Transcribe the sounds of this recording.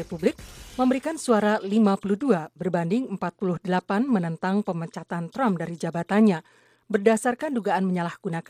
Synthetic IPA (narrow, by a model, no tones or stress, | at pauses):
epublɪk̚məmbəɾikansuaɾalimapuluhduabərbandɪŋəmpat̪̚pulʊhdəlapanmənənt̪aŋpəmət͡ʃat̪ant̪ɾamdaɾid͡ʒabat̪anɲa | bərdasarkanduɡaanməɲalahɡ̥unak